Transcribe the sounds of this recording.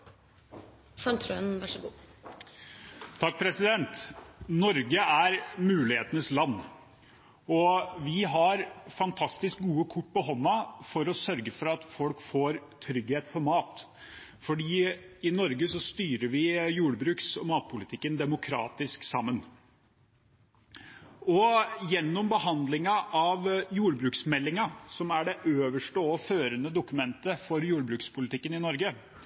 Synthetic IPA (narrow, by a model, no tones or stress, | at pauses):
sɑŋt̪ʰɾøːnʋæʂəɡuː | t̪ʰɑk̚ːpʰɾɛsɪd̪ɛnt̪nɔɾɡəʔæɾmʉːlɪheːt̪ənəslɑnː | ɔʋɪɦɑɾfɑnt̪ʰɑst̪ɪsk̚ɡuːəkʰʊʈːpɔɦɔnːɑfɔɾɔsœɾɡəfɔɾɑt̪fɔlkfoːɾt̪ʰɾʏɡheːt̪fɔɾmɑːt̪ | fɔɖiː | ɪnɔɾɡəsɔst̪yːɾəɾʋɪjuːɽbɾʉːksɔmɑːt̪̚pʰʊlɪt̪ʰɪkːənd̪ɛmʊkʰɾɑ̰ːt̪ɪsksɑmːən | ɔjɛnːɔmbəhɑnd̪lɪŋɑʔɑʋjuːɾbɾʉːksmɛlːɪŋɑsɔmæɖɛʔøːʋəʂʈəɔføːɾənəd̪ʊkʉmɛnt̪əfɔɾjuːɾbɾʉːkspʰʊlɪt̪ɪkːənɪnɔɾɡə